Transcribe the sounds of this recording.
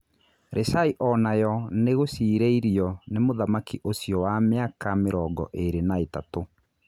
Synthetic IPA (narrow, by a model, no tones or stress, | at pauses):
ɾʔesaiʔɔnajɔneɣosiːɾeiɾiɔnemoðamakʰiʔosjɔwameakameɾɔɡɔ̰ʔeɾenaetato